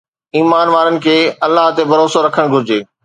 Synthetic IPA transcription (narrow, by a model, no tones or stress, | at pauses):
iːmaːnʋaːɾənɪ̆kʰeːɐlːaɦt̪ebʱɐɾoːsoɾɐkʰəɽ̃ɡʱʊɾɪd͡ʑeː